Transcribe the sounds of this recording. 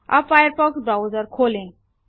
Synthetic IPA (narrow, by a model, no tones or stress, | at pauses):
a̰fajəɾpɔksbɾawd͡zəɾkʰolẽ